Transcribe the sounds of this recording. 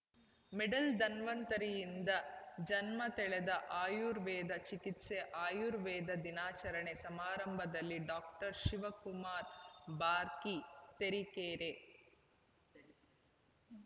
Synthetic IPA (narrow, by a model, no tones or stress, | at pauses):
meɖɐld̪ɐnʋɐnt̪ɐɾijind̪ɐd͡ʒɐnmɐt̪ɛɭɛd̪ɐʔaːjuɾʋɛːd̪ɐt͡ʃikit̪seʔaːjuɾʋɛːd̪ɐd̪inaːt͡ʃɐɾɐɳesɐmaːɾɐmbʱɐd̪ɐlːiɖaːk̚ʈɐɾʃiʋɐkumaːɾbaːɾkit̪eɾikeːɾe